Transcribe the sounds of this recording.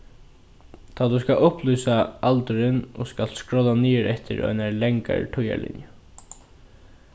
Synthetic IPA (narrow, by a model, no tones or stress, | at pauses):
t̪ʰaːt̪uskaʊhpluːsaalt̪ʏɾɪnɔ̰ːskalskɹɔlːaniːɪɾɛht̪ɪ̰ɾɔ̰jnaɹlɛŋka̰ɹʈʰʊja̰lɪ̰njə